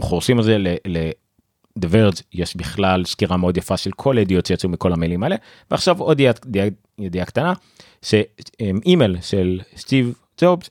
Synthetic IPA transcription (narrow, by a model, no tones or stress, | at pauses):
meχoʁʃimalzelele | d̪eveʁdzjeʃbiχlalʃkiʁameo̞d̪jafaʃelkʰo̞led̪ijo̞tʃjat͡sumiko̞lhamelimaele | veaχʃavo̞d̪ijad̪ia | jed̪ijakt̪ana | ʃeemimelʃelst̪iv | d͡ʒobz